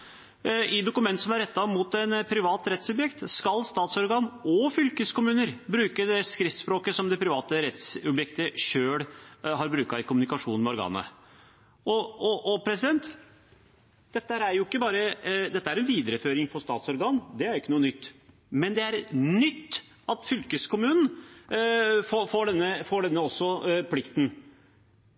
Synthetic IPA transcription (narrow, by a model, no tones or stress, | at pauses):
ʔɪd̪ʊkʉmɛnt̪əsɔmæɾɛt̪ːɑmʊt̪ɛnpʰɾɪʋɑːt̪ɾɛt̪sɔbjɛkt̪skɑlst̪ɑːt̪sɔɾɡɑːnɔfʏlkəskʊmʉːnəɾbɾʉːkəd̪ɛɛskɾɪft̪spɾoːkəsɔmd̪ɛpʰɾɪʋɑːt̪əɾɛt̪sɔbjɛkt̪əʂøːɽɦɑɾbɾʉːkɑɪkʰʊmʉnɪkɑʂuːnmɛɔɾɡɑ̰ːnə̰ | ʔɔɔʔɔpʰɾɛsɪd̪ɛnt̪ | d̪̥ɛt̪ːəhæɾæɾjʊɪkːəbɑːɾəd̪ɛt̪ːəæɾɛnʋiːd̪əɾəføːɾɪŋfɔʂst̪ɑːt̪sɔɾɡɑːnd̪ɛæɾɪkːənuːənʏt̪ː | mɛnd̪ɛæɾnʏt̪ː | ɑt̪fʏlkəskʰʊmʉːnn̩ | foːfoːɖɛnːəfoːɖɛnːəɔsːɔpʰlɪkt̪n̩